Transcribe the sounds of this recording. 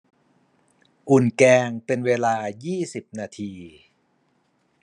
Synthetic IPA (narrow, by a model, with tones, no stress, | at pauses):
ʔu˨˩nkɛː˧ŋpe˧nweː˧laː˧jiː˥˩si˨˩p̚naː˧t̪ʰiː˧